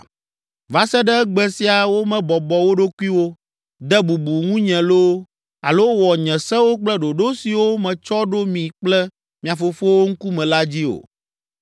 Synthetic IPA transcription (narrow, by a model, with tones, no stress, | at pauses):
va˨sɛ˦ɖɛ˦ɡ͡bɛ˨si˦a˨wo˦mɛ̃˨bɔ˨bɔ˨wo˦ɖo˦ku˦i˦wo˦ | d̪ɛ˦bu˨bu˨ŋũ˦ɲɛ̃˨lo˦ | a̰˨lo˦wɔ˨ɲɛ̃˨sɛ˦wo˦k͡plɛ˦ɖo˨ɖo˦si˨wo˦mɛ̃˨t͡ʃɔ˦ɖo˦mĩ˨k͡plɛ˦ | mĩ˨ã˨fo˨fo˦wo˦ŋ̩˦ku˦mɛ̃˨la˦d͡ʑi˦o̰˨